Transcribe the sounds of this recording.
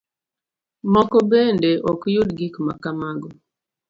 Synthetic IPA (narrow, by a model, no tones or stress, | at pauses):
mɔkɔbendeʔɔkjodɡikma̰kamaɡɔ